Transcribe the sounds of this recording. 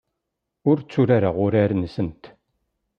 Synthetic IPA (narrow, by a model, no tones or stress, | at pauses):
ʊɾt͡sːuɾaɾaʁʊɾaɾnsənt̪